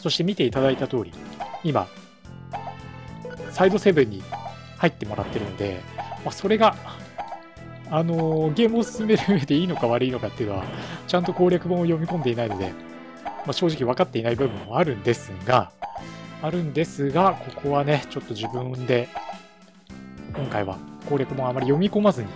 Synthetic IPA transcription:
so̞ɕi̥t̪e̞mʲit̪e̞it̪ad̪ait̪at̪o̞ːɾʲḭima̰ | said̪o̞se̞bɯ̟̃ɲ̟ːi | hait̪ːe̞mo̞ɾat̪ːe̞ɾɯ̟no̞d̪e̞̰maso̞ɾe̞ɡa | no̞ɡe̞ːmɯ̟osɨ̥sɨme̞ɾɯ̟ɯːβe̞d̪e̞iːno̞kaβaɾɯ̟iːno̞kat̪ːe̞iɯ̟no̞a̰t͡ɕãnt̪o̞ko̞ːɾʲakɯ̟bãɰ̃ojo̞mʲikõ̞nd̪e̞inaino̞d̪e̞̰ | maɕo̞ːʑikʲiβ̞akat̪ːe̞inaibɯ̟bɯ̟̃moaɾɯ̟̃nd̪e̞sɨɡa | aɾɯ̟̃nd̪e̞sɨɡakʰo̞kʰo̞βane̞t͡ɕo̞t̪ːo̞ʑibɯ̟̃d̪e̞ | kõ̞ŋkaiβa̰ko̞ːɾʲakɯ̟bãamːaɾʲijo̞mʲiko̞mazɨɲ̟i

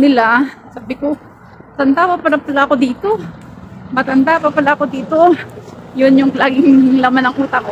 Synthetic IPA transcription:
nɪlasaːbɪko | t̪ɐnd̪aːwapalapɐlaʔɐko̞d̪iːt̪o̞ | mɐt̪ɐnd̪aʔpapɐlaɐkod̪iːt̪ojʊnjʊŋlaːɡɪŋlɐmanɐŋʔuːt̪ɐko

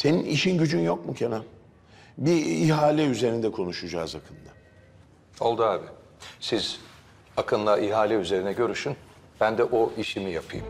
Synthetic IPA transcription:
se̞ninʔiʃinɟyd͡ʒynjo̞kmucʰena | biːɦaːlʲɛyze̞ɾind̪ɛkʰo̞nuʃud͡ʒaːzakʰɯnd̪a | o̞lˠd̪uaːbɪ | siz | akʰɯnlˠaʔiɦaːlʲɛyze̞ɾinɛɟø̞ɾyʃyn | b̥ænd̪ɛʔoiʃimijapʰɯjɯm

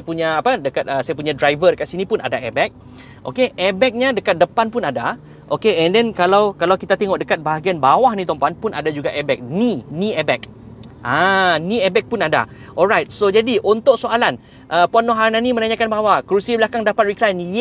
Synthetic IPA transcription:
puɲaːpədəkat̪̚əsajapuɲadɾajvədəkat̪sinĩpuna̰daʔɛbɛk̚ | ʔo̰keʔɛbɛk̚ɲadəkat̪̚dəpanpunada | ʔokeɛndɛnkalawkalawkit̪at̪eŋɔʔdəkat̪̚baɦaɡianbawahnĩt̪ɔmpanpunadad͡ʒuɡaʔɛbɛk̚ninĩɛbɛk̚ | ʔanĩɛbɛk̚punada̰ | ʔɔlɹajt̪̚sod͡ʒadiʔunt̪ʊʔsoalan | ʔəpuanːoɦananimə̃naɲãkanbawahkəɾusibəlakaŋdapat̪̚ɹiklajnj

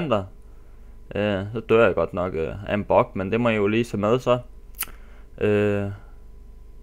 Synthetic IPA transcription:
n̰d̥ɐ | ʔøsɒ̽d̥øɐ̰jaɡ̥ɒ̽d̥nɒ̽ɡ̥øæenb̥ɒ̽ɡ̥mend̥e̝mɒ̽jijoliːsʰemeð̞ˠsɒ̽ | ʔø

